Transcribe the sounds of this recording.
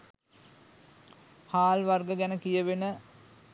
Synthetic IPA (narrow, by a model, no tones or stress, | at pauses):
haːlʋɐrɡəɡænəkijəʋenə